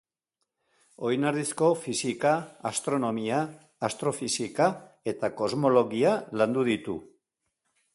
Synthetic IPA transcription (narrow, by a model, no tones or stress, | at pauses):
o̞jnaɾðisko̞fisikaːst̪ɾo̞no̞miaː | st̪ɾo̞fisika | e̞t̪ako̞zmo̞lo̞ɣialand̪uðit̪ṵ